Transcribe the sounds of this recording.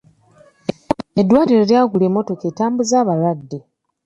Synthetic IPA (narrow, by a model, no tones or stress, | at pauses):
edːwaːliɾoɾjaːɡuleːmːo̞to̞keːtaːmbuzaːβaɾadːe